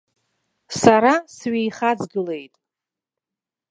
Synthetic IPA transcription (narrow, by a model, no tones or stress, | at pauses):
saɾasɥejχad͡zɡɨle̞jtʼ